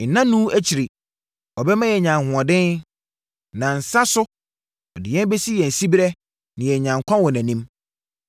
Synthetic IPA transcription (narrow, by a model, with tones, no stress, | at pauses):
n̩˨nã˦nũ˦æ˦t͡ɕʰi˨ɾi˨ | ɔ˨bɛ˦mã˦jɛ˨ɲã˨ŋ˨hʊ̃˨ɔ˨dɪ̃˦n | nã˨n̩˨sa˦sʊ˦ | ɔ˨dɪ˨jɛ̃˦n˦bɛ˦si˦jɛ˨n̩˨si˦bɾɛ˦ | nɪ̃˨jɛ˨ɲã˨ŋ˨kʷʰɔ̃˦wɔ˨næ̃˨nĩ˦m